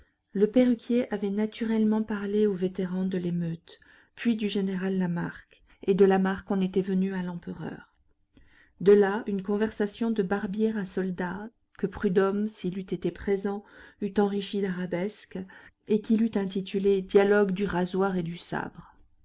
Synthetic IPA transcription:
ləpeʁykʲjeʔavɛnat̪yʁɛlmɑ̃paʁleovet̪eʁɑ̃d̪əlemøt̪ | pɥid̪yʒeneʁalːamaʁk | ed̪əlamaʁkɔ̃net̪ɛvənyalɑ̃pəʁœ̰ːʁ | d̪əlaynkɔ̃vɛʁsasjɔ̃d̪əbaʁbjɛʁasɔld̪a | kəpχyd̪ɔmsilyt̪et̪epχezɑ̃yt̪ɑ̃ʁiʃid̪aʁabɛsk | ekʲilyt̪ɛ̃t̪̬it̪yled̪jalɔɡd̪yʁazwaʁed̪ysa̰bʁ

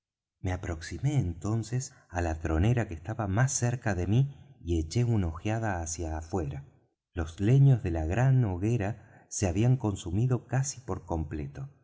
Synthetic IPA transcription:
meapɾo̞ksime̞ːnt̪o̞nses | alat̪ɾo̞neɾakest̪aβamasːeɾkaðemiie̞t͡ʃe̞unaoxjað̞aːsjaːfwe̞ɾa | lo̞zle̞ɲo̞zðe̞laɣɾanoɣeɾa | seaβiaŋko̞nsumiðo̞kasipo̞ɾko̞mplet̪o̞

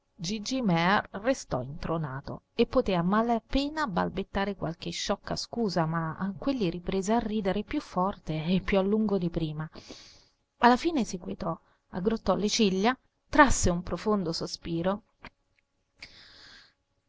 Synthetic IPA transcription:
d͡ʒid͡ʒimɛrːest̪ɔ̰int̪ɾonaːt̪o̰ | epːot̪eːamalapeːnaba̰lbet̪ːaːɾekwalk̟eʃːɔkːa̰skuːzamaːkːwelːiɾipɾeːzearːiːd̪eɾepjufːɔrt̪eːpːjualːuŋɡod̪ipɾiːma | alːafiːnesiɡwet̪ɔ | a̰ɡːɾot̪ːɔlet͡ʃilːa | t̪ɾasːeumpɾofond̪osospiːɾo

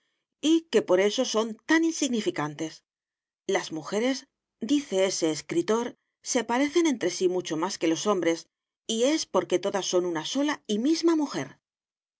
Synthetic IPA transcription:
ike̞po̞ɾe̞so̞so̞nt̪aninsiɣnifikant̪e̞s | lazmuxe̞ɾe̞z | d̪iθe̞e̞se̞ːskɾit̪o̞ɾ | se̞paɾe̞θe̞ne̞nt̪ɾe̞simut͡ʃo̞maske̞lo̞so̞mbɾe̞s | ie̞spo̞ɾke̞t̪o̞ðasːo̞nunaso̞laimizmamuxe̞ɾ

